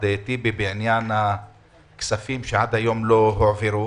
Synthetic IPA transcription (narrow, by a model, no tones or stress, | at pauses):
d̪et̪ibibeʕinjana | ksafimʃead̪hajo̞mloɦoʕveɾu